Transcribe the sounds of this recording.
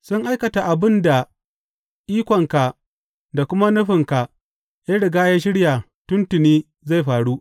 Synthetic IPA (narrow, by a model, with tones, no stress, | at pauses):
sʊ˦ŋʔa˦jkɐ˨ta˨ʔa˨bɪ˦nda˨ | ʔiː˦kʷɔ˨ŋka˨ | da˨kʷʊ˦ma˦nʊ˦ɸɪ˨ŋka˨ | ja˦ɽɪ˨ɡaː˦jaː˦ʃ̬ɪ˦ɽja˨ | tʊ˦ntʊ˨niː˦ | za˦˨jɸaː˨ɽu˦